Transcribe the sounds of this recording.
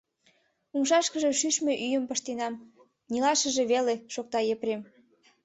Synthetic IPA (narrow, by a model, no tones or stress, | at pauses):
umʃɑʃkəʒeʃyʃmeʔyjəmpəʃt̪enɑm | nilɑʃəʒe̽βeleʃok̚t̪ɑjeprem